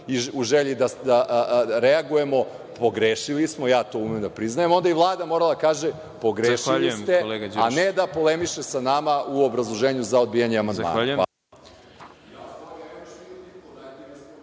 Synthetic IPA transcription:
iuʒeʎid̪ad̪aɾeaɡuje̞mo̞ | poɡɾeːʃilismojaːt̪o̞umejemd̪apɾiznajemo̞nd̪aiʋlˠaːd̪amoɾalad̪akaːʒe | po̞ɡɾeːʃiʎlijst̪eleɡaaned̪apo̞lemiʃesanamaʔuo̞bɾazlˠoʒeːɲuzao̞d̪̚bijaɲeamand̪ma̰naa̰

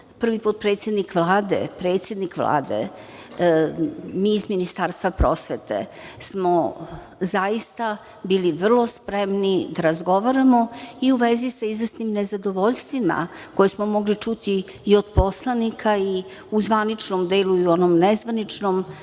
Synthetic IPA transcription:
pr̩ʋipot̪̚pɾeːt̪sjed̪nikʋlˠaːd̪ḛpɾeːt̪sʲje̞d̪nikʋlˠa̰ːd̪ḛ | miːzminist̪aːɾst̪vʋapɾo̞sʋet̪ḛsmo | zajist̪a | biːliʋr̩lˠo̞spɾemnid̪aɾazɡo̞ʋaɾamo̞iuʋezisaizvəsnimnezad̪o̞ʋoʎʲst̪ʋima̰ | kojesmomo̞ɡlit͡ʂut̪iː | od̪po̞slˠanikʰai | uzʋanit͡ʃnomd̪eːluiuo̞nomnɛzʋanit͡ʂnom

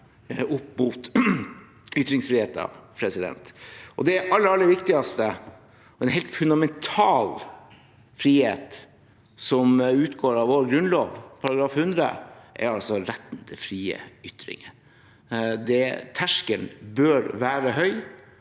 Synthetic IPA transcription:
ʊpːmuːt̪ | ʏt̪ɾɪŋsfɾiːheːt̪ɑ̰pʰɾɛsɪd̪ɛ̰nt̪ʔɔd̪ɛʔɑlːəɾɑlːəʋɪkt̪ɪɑst̪ə | ɔɛnɦɛɪlt̪fʉnd̪ɑmɛnt̪ʰɑːl | fɾiːheːt̪ | sɔmʉːt̪ɡoːɾɑʋoːɾɡɾʉnloːʋpʰɑɾɑɡɾɑːfhʉnd̪ɾə̰ʔæ̰ɾɑlsɔɾɛt̪ːnt̪ʰəfɾiːə̰ʏt̪ɾɪ̰ŋə | d̪ɛt̪ʰæʂkənbœɾʋæːɾəɦœʏ

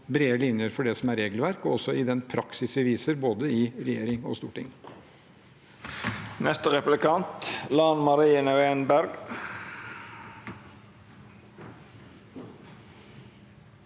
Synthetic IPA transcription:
bɾeːəlɪnjəɾfɔɖɛsɔmæɾeːɡəlʋæɾkɔɔsːɔɪd̪ɛnpʰɾɑksɪsʋɪʋiːsəɾboːd̪əɪɾɛjeːɾɪŋɔ̰st̪ṵːʈɪ̰ŋː | nɛst̪əʁɛplɪkɑnt̪lɑːnmɑɾiːənəenbæɾɡ

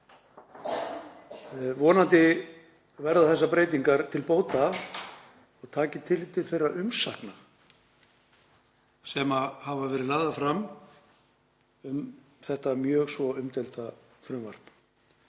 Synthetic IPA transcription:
vɔːnant̪ɪ | vɛɾðaθɛs̬ːapɾeːjt̪iŋkaɾt̪ʰɪlpoːwt̪a | ɔɣt̪ʰaːcɪt̪ʰɪlt̪ʰɪlθejraʔʏmsahkna | sɛmahavavɛːɾɪðlaːðafɾam | ʏm | θɛht̪amjœːɣsvɔʏmt̪ɛlt̪a | fɾʏmva̰r̥p

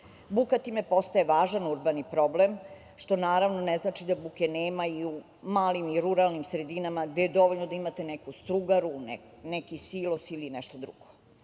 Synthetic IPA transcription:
bukat̪iːmepo̞st̪aeʋaːʒanuɾbanipɾo̞blem | ʃt̪o̞naːɾaʋnoneznat͡ʃid̪abukeneːmaiu | maːlimiɾuɾalnimsɾe̞d̪inamaɡd̪ejed̪o̞ʋoʎnod̪aimat̪enɛkust̪ɾuɡaɾun | nɛkisiːlˠosilinɛʃt̪od̪ɾṵɡ̥o

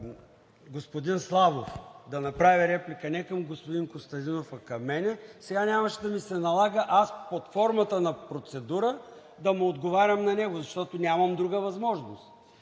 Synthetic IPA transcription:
ɡospod̪inslˠavofd̪ɐnɐpɾavʲiɾɛplʲikənɛkɐmɡospod̪inkost̪ɐnd̪inofɐkɐmːɛnɛsɛɡanʲamɐʃɛd̪ɐmisɛnɐlˠaɡəʔaspot̪fɔɾmət̪ənɐpɾot̪sɛd̪uɾə | d̪ɐmɛod̪ɡovaɾʲəmnɐnɛɡʊzɐʃt̪ɔt̪ʊnʲamɐmd̪ɾuɡəvɐzmɔʒnost̪

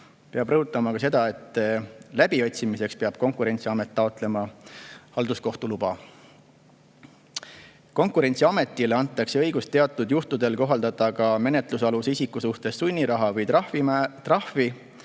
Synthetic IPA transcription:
pe̞ɑb̥rɤɦut̪ːˑɑmɑkɑs̬e̞d̪̥ɑe̞t̪ːˑlæb̥io̞t̪ʲsimise̞kspeɑb̥̚ko̞ŋkuɾe̞nʲt̪siɑme̞t̪ˑːɑo̞t̪ˑle̞mɑhɑld̪̥usko̞ht̪ulub̥ɑ | ko̞ŋkˑuɾe̞nʲsiɑme̞t̪ːˑileɑnt̪ːˑɑkse̞ɤjɡ̥ust̪ːe̞ɑt̪ːˑud̪̥juht̪ud̪̥e̞lko̞ɦɑld̪ɑd̪ɑkɑme̞ne̞t̪ˑlusɑlusisikːusuht̪e̞sːunʲːiɾɑɦɑvɤjit̪rɑhvi

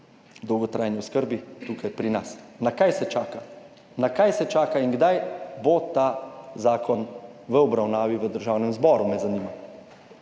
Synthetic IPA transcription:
d̪ɔwɡɔt̪ɾajniɔskəɾbit̪ukajpɾinasnakajsɛt͡ʃaːka | nakajsɛt͡ʃaːkainɡd̪ajbot̪azaːkʰɔn | ʋəɔbɾawnaːʋiʋəd̪əɾʒaːwnɛmzbɔːɾumɛzaniːma

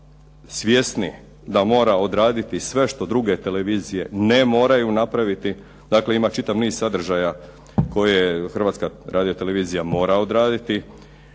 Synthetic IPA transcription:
sʋje̞sni | d̪amo̞ːɾao̞d̪ɾaːd̪it̪isʋe̞ʃt̪o̞d̪ɾuɡe̞t̪e̞leʋiːzije̞nemo̞ːɾajunapɾaʋit̪i | d̪aːkle̞imat͡ʃit̪aʋniːz̥sad̪r̩ʒaja | ko̞jexr̩ʋaːt̪skaɾaːd̪ijo̞t̪e̞le̞ʋiːzijamo̞ːɾao̞d̪ɾaːd̪it̪i

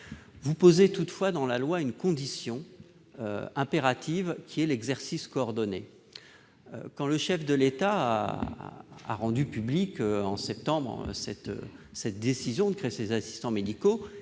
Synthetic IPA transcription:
vupozet̪ut̪fwad̪ɑ̃lalwaynkɔ̃d̪isjɔ̃ | ø̰ɛ̃peʁat̪ʰivkʲʰiɛlɛɡzɛʁsiskɔːʁd̪ɔne | ø̰kɑ̃ləʃɛfd̪əlet̪a | a̰ʁɑ̃d̪ypyblikøɑ̃sɛp̚t̪ɑ̃bʁsɛt̪ø̰ | sɛt̪̚d̪esizjɔ̃d̪əkχeesezasi̥st̪ɑ̃med̪iko

